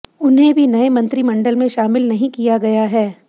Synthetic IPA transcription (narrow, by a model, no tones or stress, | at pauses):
ʊnɦẽbʱinɐemɐ̃nt̪ɾimɐ̃ɳɖəlmẽʃaːmɪlnɐɦĩkijaɡɐjaɦɛː